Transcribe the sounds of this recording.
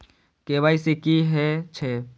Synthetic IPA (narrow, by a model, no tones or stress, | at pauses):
keːbaːisekiɦɛt͡ʃʰe